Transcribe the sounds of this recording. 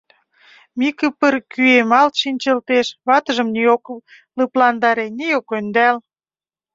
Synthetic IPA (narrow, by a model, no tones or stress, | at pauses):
mikəpərkyemɑlt̪ʃinʲt͡ɕə̆lt̪eʃβɑt̪əʒə̆mniok | ləplɑnd̪ɑɾeneokønd̪æl